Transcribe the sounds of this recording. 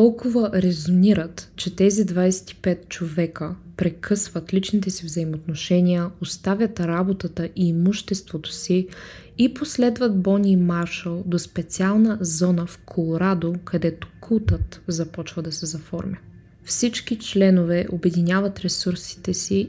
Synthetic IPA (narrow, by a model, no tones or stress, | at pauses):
t̪ɔlˠkʊvəɾɛzoniɾət̪t͡ʃɛt̪ɛzid̪vajsɛ̥t̪i̥pɛt̪̚t͡ʃovɛkəpɾɛkʰɤsvət̪lit͡ʃnit̪ɛsivzɐimot̪noʃɛnʲiəost̪avʲət̪ɾabot̪ət̪əʔiːmuʃt̪ɛst̪vot̪o̥siː | poslɛd̪vəd̪̚bɔnʲiːmaɾʃəlˠd̪ospɛt̪sialˠnəzɔnəfkʰolˠoɾad̪okʰɐd̪ɛt̪o̥kʰut̪ət̪zɐpɔt͡ʃvəd̪ɐsɛzɐfɔ̰ɾmʲjə | fsit͡ʃk̟it͡ʃlɛnovɛʔobɛd̪inʲjavɐt̪ɾɛsuɾsi̥t̪ɛsi